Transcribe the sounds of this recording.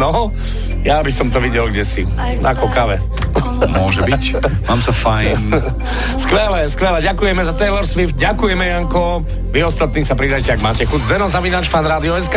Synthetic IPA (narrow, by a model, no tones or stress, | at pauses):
nɔ | jabisɔmt̪ɔʋiɟɛlɡɟɛsi | na̰kɔkaʋɛ | mʊɔʒɛbic | maːmsafaj | skʋɛlɛskʋɛlɛɟakujɛmɛzat̪ɛjlɛɾsʋift̪̚ɟakujɛmɛjaŋkɔ | ʋiɔst̪at̪niːsapɾid̪ajcɛaɡmaːcɛxud͡zd̪ɛnɔzaʋinaːt͡ʃfanɾaːd̪iɔɛs̬ka